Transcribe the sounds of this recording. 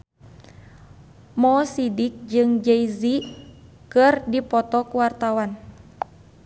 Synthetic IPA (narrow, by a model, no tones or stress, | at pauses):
mɔsidik̚d͡ʒɨŋd͡ʒeizi | kɨrdipɔt̪ɔkuwart̪awan